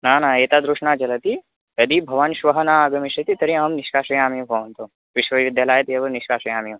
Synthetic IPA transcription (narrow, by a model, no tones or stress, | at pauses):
naːnãːeːt̪aːd̪ɾuʃnaːt͡ʃɐlɐt̪i | j̪ɐd̪ibʱɐʋanʃʋɐɦɐnaːaːɡɐmiʃɐt̪it̪ɐɾĩɐmniʃkaːʃɐjaːmipɐːʋnt̪o | ʋɪʃʋɐʋʋid̪jalaːjɐt̪iɐbɐniʃkaːʃɐjaːmi